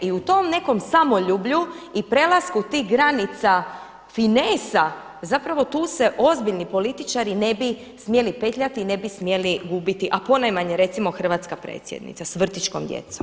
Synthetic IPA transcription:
iut̪o̞mne̞ko̞msamoʎubʎu | ipɾe̞lˠaskut̪iɦɡɾanit̪sa | fineːsa | zapɾaʋo̞t̪uːseʔo̞zbiʎnipo̞lit̪it͡ʃaɾine̞bi | smje̞lipe̞t̪ʎat̪iːne̞bismje̞liɡubit̪iʔapo̞najmaɲeɾe̞t̪simo̞xr̩ʋat̪skapɾḛːt̪sʲjed̪nḭt̪sasʋr̩t̪it͡ʃko̰md̪jḛt̪so

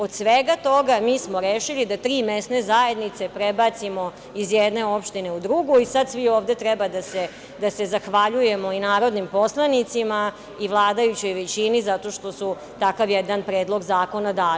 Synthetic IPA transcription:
od̪sʋeɡat̪o̞ɡamiːsmo̞ɾeːʃilid̪at̪ɾiːmest̪ne̞zaje̞d̪nit̪se̞pɾebat̪simo̞ | izjed̪ne̞o̞pʃt̪ine̞ud̪ɾuɡuisad̪sʋioːʋd̪e̞t̪ɾɛbad̪ase | d̪asezaxʋaʎuje̞mo̞inaːɾo̞d̪nimpo̞slˠanit̪sima | iʋlˠaːd̪ajut͡ɕo̞jʋet͡ɕinizat̪o̞ʃt̪o̞su | t̪akaʋjed̪anpɾeːd̪lˠo̞ɡzaːko̞nad̪aː

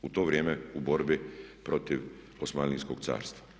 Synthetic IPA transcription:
ut̪o̞ːʋɾjeːmeubo̞ɾbipɾo̞t̪iʋ | osmaːlinsko̞ɡt̪sa̰ːɾst̪a

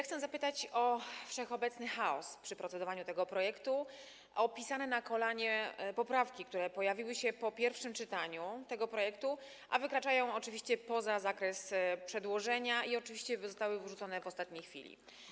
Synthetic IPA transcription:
jaxt̪sɛzapɘt̪at͡ɕɔfʂɛxɔbɛt̪snɘxaɔ̰spʂɘpɾɔt̪sɛd̪ɔvaɲut̪ɛɡɔpɾɔjɛkt̪u | ʔɔpʲisanɛnakɔlaɲɛpɔpɾafkʲik̚t̪uɾɛpɔjavʲiwɘɕɛpɔpʲjɛɾfʂɘmt͡ʂɘt̪aɲut̪ɛɡɔpɾɔjɛkt̪u | ʔa̰vɘkɾat͡ʂajɔ̃w̃ɔt͡ʂɘvʲiɕt͡ɕɛpɔzazakɾɛspʂɛd̪wɔʐɛɲaiɔt͡ʂɘvʲiɕt͡ɕɛzɔst̪awɘuʐut̪ɔnɛvɔst̪at̪ɲejxfʲḭlʲḭ

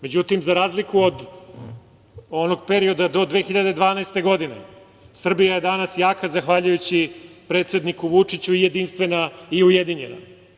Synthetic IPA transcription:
med͡ʑut̪imzaɾaːzlikuod̪ | ono̞ɡpe̞ɾio̞d̪ad̪o̞d̪ʋeːxiʎad̪e̞d̪ʋaːnajst̪e̞ɡo̞d̪ine̞̰ | sr̩bijaje̞d̪anasjaːkazaxʋaːʎujut͡ɕipɾe̞ːt̪se̞d̪nikuʋut͡ʂit͡ɕuijed̪inst̪ʋe̞naiuje̞d̪iɲe̞̰na̰

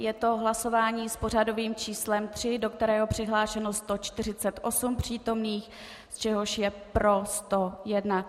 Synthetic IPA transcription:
jɛt̪o̞ɦlaso̞vaːɲiːspo̞r̝ado̞viːmt͡ʃiːslɛmt̪r̝̥ɪdo̞kt̪ɛɾɛːɦo̞pr̝̥ɪɦlaːʃɛno̞st̪o̞t͡ʃt̪ɪr̝ɪt͡sɛt̪ʔo̞sumpr̝̥iːt̪o̞mniːx | st͡ʃɛɦo̞ʃjɛpɾo̞st̪o̞jɛdna

